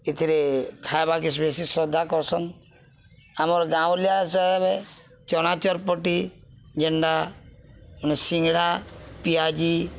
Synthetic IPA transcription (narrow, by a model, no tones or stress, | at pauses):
et̪ʰiɾekʰajbak̬is̬besisɾɔd̪ʱakɔɾsɔn | amɔɾɡãwliasɔbe | t͡ʃɔnat͡ʃɔɾpɔʈi | d͡ʒeɳɖa | unɔsiŋɽapiad͡ʒi